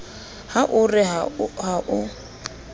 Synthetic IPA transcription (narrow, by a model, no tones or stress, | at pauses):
haʔʊrɪɦɦaʔʊ